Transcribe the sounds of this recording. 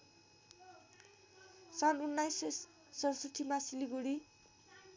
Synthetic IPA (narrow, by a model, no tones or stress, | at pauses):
sanunːajsː | ʌɾsut̪ʰimasiliɡoɽi